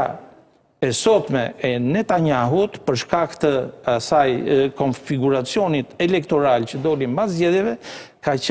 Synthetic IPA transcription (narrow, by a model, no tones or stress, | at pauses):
ɛsɔt̪mɛɛnɛt̪aɲaɦut̪pəɾʃkakt̪əasajkɔnfiɡuɾat͡siɔnit̪ɛlɛkt̪ɔɾalcəd̪ɔlimbazɟɛðjɛvɛkat͡ɕ